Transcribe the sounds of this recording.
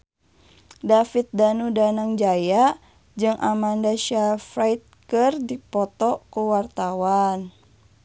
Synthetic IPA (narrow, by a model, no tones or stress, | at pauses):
dafit̪̚danudanaŋd͡ʒaja | d͡ʒɨŋʔamandaʃafɾajt̪̚kɨrdipɔt̪ɔkuwart̪awan